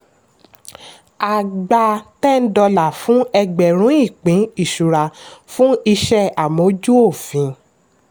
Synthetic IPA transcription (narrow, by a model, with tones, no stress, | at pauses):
a˨ɡ͡ba˧tɛ˦˨n̩˦dɔ˧la˨fũ˦ɛ˧ɡ͡bɛ˨ɾ̃ũ˨˦i˦˨k͡pĩ˨˦i˦˨ʃu˨ɾa˨fũ˦i˧ʃɛ˦a˨mõ˨˦d͡ʒu˦o˦˨fĩ˨˦